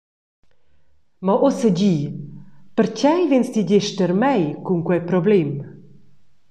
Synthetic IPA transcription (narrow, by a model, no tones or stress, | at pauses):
mɔʔosəd͡ʑiː | pəɾcɛjvenst̪iɟɛʃtəɾmɛjkuŋkwɛjpɾɔblɛm